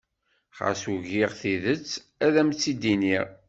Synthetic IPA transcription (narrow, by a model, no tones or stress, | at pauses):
χa̰suʝiʁθiðət͡sː | æðæmt͡sːid̪iniʁ